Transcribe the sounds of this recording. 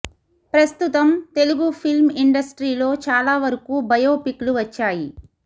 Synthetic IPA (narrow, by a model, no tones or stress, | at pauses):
pɾɐst̪ut̪ɐmt̪e̞luɡupʰilmiɳɖɐsʈɾiːlo̞ːt͡ʃaːlaːʋɐɾɐkuːbɐjo̞ːpikluʋɐt͡ʃːaːji